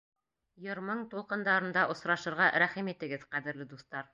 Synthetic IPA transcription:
jŏɾmɤɴt̪ulˠqɤ̆nd̪ɑɾɤ̆nd̪ɑʔŏsɾɑʃɤ̆ɾʁɑɾæχimit̪ɘ̆ɡɘðqæðɘ̆ɾlɘd̪uθt̪ɑɾ

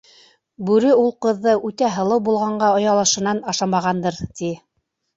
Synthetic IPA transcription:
bʉɾɘulˠqɤ̆ðːɤʔʉt̪æɦɤ̆lˠɤwbulˠʁɑɴɢɑŏjɑlˠɤ̆ʃɤ̆nɑnɑʃɑmɑʁɑnd̪ɤɾt̪i

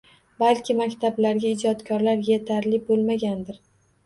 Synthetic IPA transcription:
balkʲʰɪmakʲt̪ʰablaɾɡʲaɪd͡ʒɒt̪kʰɒɾlaɾjet̪ʰaɾlɪbolˠmaɡʲand̪ɪɾ

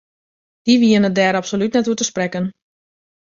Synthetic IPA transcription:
d̥iʋiənət̚dɛːɾapsolytnɛtuətəsprɛkən

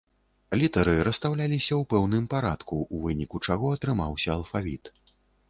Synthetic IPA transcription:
lʲit̪ɐɾɨɾɐst̪awlʲalʲisʲɐwpɛwnɨmpaɾat̪kuvɨnʲikut͡ʂaɣɔɐt̪ɾɨmawsʲɐːlˠfavʲḭt̪

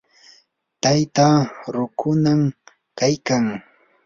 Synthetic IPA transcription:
t̪ajt̪aɾʊkʰʊnam | kajkaŋ

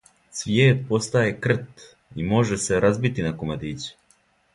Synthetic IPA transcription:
sʋjeːt̪̚po̞st̪aje̞kr̩t̪ | imo̞ʒe̞se̞ɾazbit̪inakomad̪iːt͡su̥

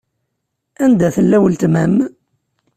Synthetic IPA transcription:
ænd̪æθəlːæwəlt̪mæm

